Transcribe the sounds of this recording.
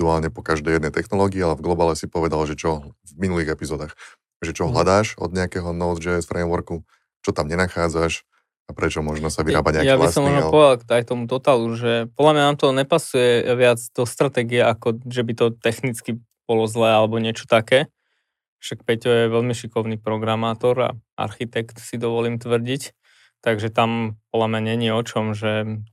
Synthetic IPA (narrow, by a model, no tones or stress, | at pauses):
uaːlɲɛpɔkaʒd̪ɛjɛd̪nɛjt̪ɛxnɔlɔːɡiːalɛvɡlɔbaːlɛsipɔʋɛd̪alʒɛt͡ʃɔvminuliːɣɛpizɔːd̪aːx | ʒɛt͡ʃɔɦlad̪aːʃɔ̰d̪̚ɲɛakɛɦɔnɔʊd̪d͡ʒɛsfɾɛːmʋɔɾku | t͡ʃɔt̪amɲɛnaxaːd͡zaʃ | apɾɛt͡ʃɔmɔʒnɔsaʋiɾaːbaɲɛajabliasɔmɔʒnɔpɔʋɛd̪alkajk̚t̪ɔmut̪ɔt̪aluʒɛpɔd̪lamɲanaːmt̪ɔɲɛpasujɛʋɪad͡zd̪ɔst̪ɾat̪ɛːɡiɛʔakɔʒɛbit̪ɔt̪ɛxnit͡ski | b̥ɔlɔzlɛːalɛbɔɲɪɛt͡ʃɔ̥t̪akɛː | aʃak̚pɛcɔjɛʋɛʎmiʃikɔʊniːpɾɔɡɾamaːt̪ɔɾa̰ʔa̰ɾxit̪ɛkt̪sid̪ɔʋɔliːmt̪ʋr̩ɟic | t̪aɡʒɛt̪ampɔd̪lamɲaɲɛɲiɔt͡ʃɔmʒɛ